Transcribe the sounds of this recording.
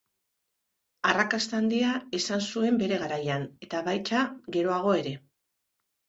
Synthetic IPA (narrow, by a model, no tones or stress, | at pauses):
arakast̪and̪iaesansue̞mbe̞ɾe̞ɣ̞aɾajane̞t̪aβajt͡ʃaɣe̞ɾo̞aɣ̞o̞e̞ɾe̞